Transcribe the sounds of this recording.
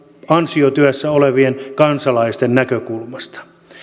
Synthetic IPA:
ɑnsiot̪yæsːæoleʋienkɑnsɑlɑist̪ennækøkulmɑst̪ɑ̥

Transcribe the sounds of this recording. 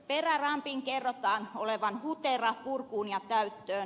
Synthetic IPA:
perærɑmpiŋkerːot̪ɑːnoleʋɑnhut̪erɑpurkuːnjɑt̪æyt̪ːøːn

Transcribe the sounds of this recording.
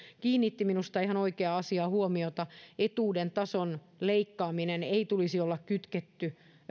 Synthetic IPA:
kiːnːit̪ːiminust̪ɑiɦhɑnoikeɑɑsiɑːhuomiot̪ɑet̪uːdent̪ɑson | leikːɑːmineneit̪ulisiolːɑkkyt̪ket̪ːy

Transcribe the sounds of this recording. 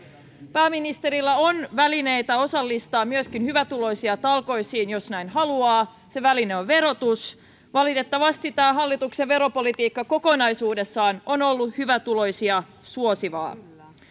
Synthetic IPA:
pæːminist̪e̞ɾilːɑonʋæline̞jt̪ɑo̞sɑlːist̪ɑːmmyøskinhyʋæt̪ulo̞jsiɑt̪ɑlko̞jsiːnjo̞snæjnɦɑluɑː | se̞ʋælineoʋʋe̞ɾo̞t̪us | ʋɑlit̪e̞t̪ːɑʋɑst̪it̪ːæːɦɑlːit̪ukseʋe̞ɾo̞po̞lit̪iːkːɑko̞ko̞nɑjsuːde̞sːɑːno̞no̞lːuhyʋæt̪ulo̞jsiɑ | suo̞siʋɑ̰ː

